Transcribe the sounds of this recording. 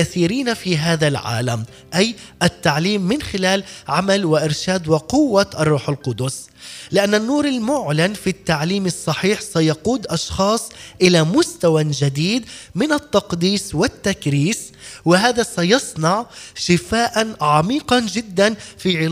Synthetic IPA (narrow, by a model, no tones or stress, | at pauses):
aθiːɾiːnafiɦaːðalʕa̰ːlam | ʔajʔat̪ːaʕliːmːɪnxɪlaːlʕamalwɪʔɪɾʃaːd̪wɪqʊwːaʔɑrˤːuːħalqʊd̪ʊs | lɪʔanːanːuːɾalmʊʕlanfit̪ːaʕliːmɑsˤːɑħiːħsajɑquːd̪ʔɑʃxɑːsˤʔɪlamʊst̪awad͡ʒad̪iːd̪mɪnat̪ːɑqd̪iːswɪt̪ːakɾiːs | wɪɦaːðasajɑsˤnɑʕʃɪfaːʔanʕɑmiːqɑnd͡ʒɪd̪ːanfiʕɪl